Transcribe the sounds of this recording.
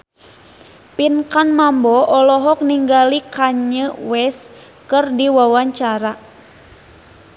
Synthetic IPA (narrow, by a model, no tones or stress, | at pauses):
pinkanmambɔʔɔlɔɦɔk̚niŋɡalikaɲəwɛs | kɨrdiwawaɲt͡ʃaɾa